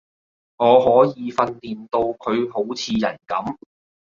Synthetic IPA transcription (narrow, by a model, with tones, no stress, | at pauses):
ŋɔː˨˧ɦɔː˨˥jiː˨˧fɐ˧nliː˨nt̪o˧wkʰɵ˨˧ɥɦo˨˥wt͡sʰiː˨˧jɐ˨˩nkɐ˨˥m